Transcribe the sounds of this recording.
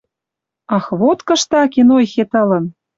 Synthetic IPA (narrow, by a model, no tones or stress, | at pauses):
ɑxβot̪kɤ̆ʃt̪ɑkenojxet̪ɤ̆lɤ̆n